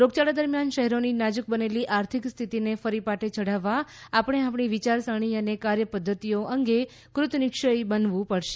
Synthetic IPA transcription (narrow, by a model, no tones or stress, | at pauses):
ɾoɡt͡ʃaɽad̪əɾmjanʃəɦɛɾoninad͡ʒuk̚bəneliʔaɾt̪ʰikst̪ʰit̪inefəɾipaʈet͡ʃʰəɽ̤aʋːaapəɽ̃eapɳiʋit͡ʃaɾsəɽ̃iənekaɾjəpəd̪ʱːət̪ijoʔəŋɡe | kɾʊt̪nɪkʃəibənʋũpəɽʃe̥